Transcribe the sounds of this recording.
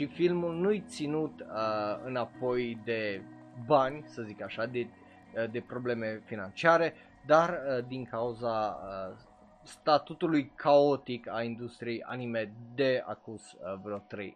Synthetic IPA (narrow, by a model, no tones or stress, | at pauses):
ʃifilmulnujt̪sinut̪əɨnapo̞jd̪e̞ | banʲsəzikaʃad̪e | d̪e̞pɾo̞ble̞me̞finant͡ʃiaɾe̞ | d̪arəd̪iŋkauzaə | st̪at̪ut̪ulujkʰao̞t̪ikalind̪ust̪ɾijeja̰nimed̪e̞a̰kuz̥vɾeot̪ɾḛj